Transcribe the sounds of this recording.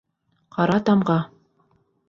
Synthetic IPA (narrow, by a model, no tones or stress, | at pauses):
qɑɾɑt̪ɑmʁɑ